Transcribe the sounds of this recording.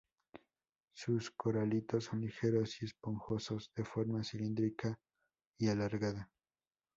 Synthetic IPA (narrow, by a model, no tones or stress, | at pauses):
susko̞ɾalit̪o̞sːo̞nlixe̞ɾo̞sie̞spo̞ŋxo̞so̞zðe̞fo̞ɾmasilind̪ɾikʰa | ialaɾɣaða